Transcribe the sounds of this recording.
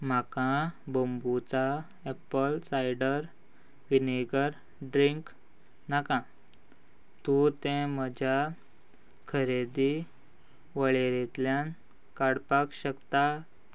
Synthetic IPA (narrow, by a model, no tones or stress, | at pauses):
m̤akãbəmbut͡sa | epəlsajɖəɾ | ʋineɡəɾ | ɖɾiŋk | nakã | t̪ũt̪ẽməd͡ʑʱa | kʰəɾed̪i | ʋəɭeɾet̪ljan | kaɽpakɕəkt̪a